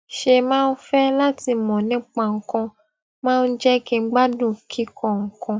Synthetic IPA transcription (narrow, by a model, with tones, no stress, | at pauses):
ʃe˧mãː˦˧n̩˦fɛ˦la˦ti˧˨mɔ̃˨nĩ˨˦k͡pã˧˨ŋ̩˨kɔ̃˧ | mãː˦˧n̩˦d͡ʒɛ˦kẽ˧˦ɡ͡ba˦dũ˦˨kʰi˦kʰɔ̃˦˨ŋ̩˨kɔ̃˧